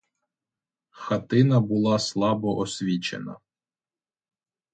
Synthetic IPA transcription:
xɐt̪ɪnɐbʊlˠɑslˠɑbɔʔɔsʲʋʲit͡ʃḛnɐ̰

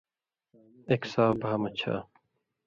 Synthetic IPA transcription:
eksaːbʱaːmɐt͡ɕʰa̰ː

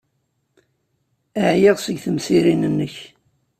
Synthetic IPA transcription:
əʕjiʁsəɡθəmsiɾinənːəç

